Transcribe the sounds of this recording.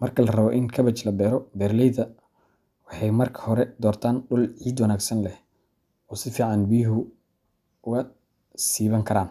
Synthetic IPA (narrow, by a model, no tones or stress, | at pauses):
mɐrkʰɐlɐrɐβɔʔɪnkʰɐβɐt͡ʃlɐbɛːɾɔbɛːrlɛjðɐ | wɑħɑjmɐrkʰɐ̥hɔɾɛd̪ɔːrt̪ʰaːnɖʊlʕiːd̪wɐnaːɡsɐnlɛh | ɔːsɪfiːʕɑnbijɦʊ | ʊɣɐ | siːβɐŋkʰɐɾaːn